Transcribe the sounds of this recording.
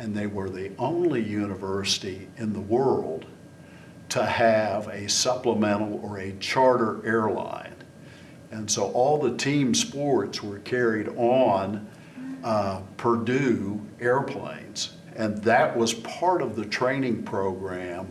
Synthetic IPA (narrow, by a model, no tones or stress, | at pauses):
ɨ̃nðeɪwə˞ðiʔõʊ̃nlijʉnɨvɜ˞sɨɾiɪ̃nðəwɜ˞lˠd̥̚ | tʰəɨvɨsʌpləmɛ̃ɾ̃l̩ˠə˞ɨt͡ʃʰɑɹɾə˞ʔɛɹlã̰ɪ̃n | ɨ̃nsoʊʔɔlˠðətʰĩmspɔɹtswə˞kʰɛɹiɾn̩ | pʰə˞dʉɛɹpʰl̥ḛ̃ɪ̃nz̥ | ɨ̃nðɨʔ̚wʌz̥pʰɑɹɾʌvðɨtʰɹ̥ẽɪ̃ñɪ̃ŋpʰɹ̥oʊɡɹæ̃m